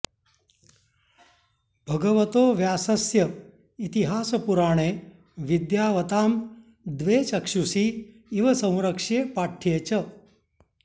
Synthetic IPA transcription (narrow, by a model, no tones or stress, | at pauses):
bʱəɡəʋət̪oːʋjaːsəsjə | it̪iɦaːspuɾaːɽ̃e | ʋid̪jaʋət̪aːm | d̪ʋet͡ɕəkʂusiː | ʋɐsə̃w̃ɾəkʂepaʈʰet͡ɕə